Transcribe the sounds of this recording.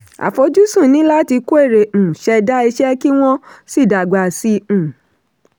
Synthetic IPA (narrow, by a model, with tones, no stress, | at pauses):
a̰˨fo˧˦d͡ʒu˦sũ˦˨nĩ˨˦la˦ti˧ko˦e˦˨ɾẽ˨ʃɛ˧da˦i˧ʃɛ˦ki˦w̃ɔ̃˦si˦˨da˨ɡ͡ba˨sĩ˧˨